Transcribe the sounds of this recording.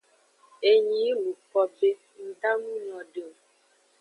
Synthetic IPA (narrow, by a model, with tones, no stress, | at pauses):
e˨ɲĩ˨˦lu˨k͡pɔ˦be˦ | n̩˦d̪a˦nũ˦nɔ̃˨ɖe˨o˨